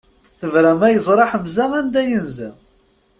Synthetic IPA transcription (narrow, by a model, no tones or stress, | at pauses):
θəvɾæmæjəzˤɾˤɑħəmzæmænd̪æjənzæ